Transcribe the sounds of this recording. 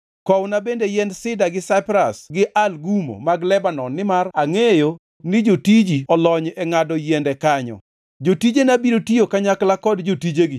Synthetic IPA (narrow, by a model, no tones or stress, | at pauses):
kɔwnabendejɛndsɪdaɡɪsapɾasɡɪʔalɡumo̰maɡlɛbanɔnːɪmaraŋejo | nɪd͡ʒotid͡ʒiɔlɔɲɛŋadɔjɛndɛkaɲɔ̰ | d͡ʒotid͡ʒenabiɾotijokaɲaklakɔdd͡ʒotid͡ʒeɡɪ